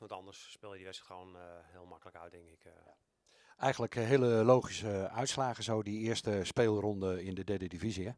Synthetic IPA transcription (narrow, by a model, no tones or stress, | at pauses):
ɔtɔndəsːpɪːlˠjədiʋɛsəxəownhɪːlˠmakələkœt̚dɪŋkɪk | ɛjxəndləkɦeələlowχisəœɥtslaːɣəzowdiɪəstəspeːlˠrɔndəɪndədɛdədiviziə